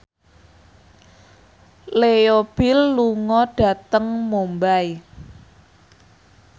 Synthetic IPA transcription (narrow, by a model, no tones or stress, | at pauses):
leob̥ɪlːuŋɔɖ̥a̤t̪əŋmombaj